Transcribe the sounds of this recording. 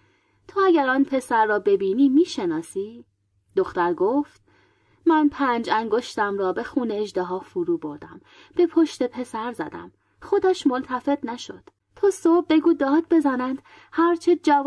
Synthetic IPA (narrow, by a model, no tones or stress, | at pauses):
t̪ʰoæɟæɾɒːnpʰe̞sæɾːɒːbe̞biːniːmiːʃe̞nɒːsiː | d̪oxt̪æɾɡoːft̪̚ | mænpʰæːnd͡ʒæŋɡoʃt̪æmɾɒːbe̞xuːneːʒd̪eɦɒːfuɾuːbo̞ɾd̪æm | b̥e̞pʰoʃt̪e̞pʰe̞sæɾzæ̰d̪æ̰m | xod̪æʃmolt̪ʰæfe̞d̪̥næʃo̰d̪̥ | t̪ʰoːsob̚ːe̞ɡuːd̪ɒːd̪̚be̞zæːnænd̪̥ | hæɾt͡ʃʰed͡ʒæv